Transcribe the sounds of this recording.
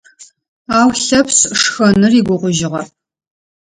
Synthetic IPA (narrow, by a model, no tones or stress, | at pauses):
aːwɬɐpsʂxɐnɨriːɡʷʊʁʷʊʒɪʁɐ